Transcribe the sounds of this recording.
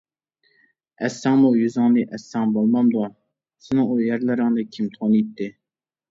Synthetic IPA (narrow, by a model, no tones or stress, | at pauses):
ɛsːæŋmujyzɑŋd̪iʔɛsːɑŋbolˠmɑmd̪uɑ | sɪnɪŋujɛɾlɪɾɪŋd̪ɨkʲʰimt̪ʰonit̪ʰːɪ